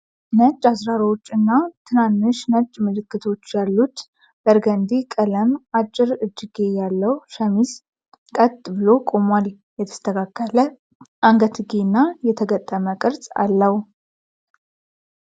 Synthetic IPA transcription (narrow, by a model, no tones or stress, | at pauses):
nət͡ʃʼːasɾaɾot͡ʃːɨnːat̪ʰɨnanːɨʃnəd͡ʒʼmɨlɨkːɨt̪ʰo̞t͡ʃːjalːut̪ | bəɾɡənd̪ikʼələmat͡ʃʼːɪɾɨd͡ʒːiɡe̞jalːəwʃəmis | kʼət̪ʼːbɨlo̞kʼo̞mʷal | jɛt̪ʰə̥st̪ʰəkʰakːələ | ʔaŋɡət̪ɡenːajɛt̪ʰəɡət̪ʼːəməkʼɨɾsʼa̰lːəhu